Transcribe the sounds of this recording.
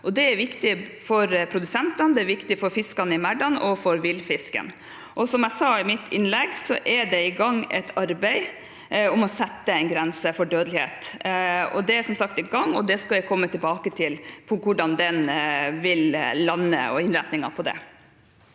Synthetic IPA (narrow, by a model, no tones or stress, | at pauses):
ʔɔd̪ɛæɾʋɪkt̪ɪfɔɾpʰɾʊd̪ʉsɛnt̪ɑnd̪ɛæɾʋɪkt̪ɪfɔɾfɪskɑnəɪmæɖɑnɔfɔɾʋɪlfɪskə̰n | ʔɔsɔmæɪsɑːɪmɪt̪ʰːɪ̰nlɛɡsɔʔɛɖɛɪɡɑŋːɛ̰t̪ʰɑɾbɛɪ | ʊmɔsɛt̪ːəɛɪnɡɾɛnsəfɔɖøːd̪əlɪhḛːt̪ | ɔ̰d̪ɛæsɔmsɑkt̪ɛɡɑŋːɔd̪ɛskɑljækʰɔmːət̪ʰɪlbɑːkət̪ʰɪlpʰɔkʊɖɑnd̪ɛnʋɪllɑnːə̰ɔ̰ɪnɾɛt̪nɪŋɑ̰pʰɔd̪ɛ̰